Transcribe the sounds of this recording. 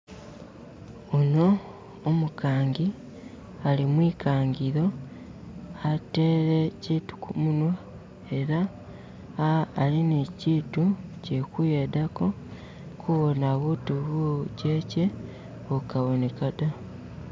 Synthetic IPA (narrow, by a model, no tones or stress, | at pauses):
ono̞ | omukaːŋɡi | alimwiːkʰaːŋɡiɾo̞ | ate̞ːɾe̞ciːtu̥kʰumunwa | e̞ɾa | line̞ciːtuce̞kujedako̞ | kʰuβo̞naβutuβucece̞ | okaβo̞ne̞kada